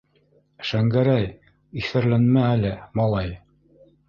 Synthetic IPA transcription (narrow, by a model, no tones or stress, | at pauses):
ʃæŋɡæɾæj | iθæɾlænmæːlɘmɑlˠɑj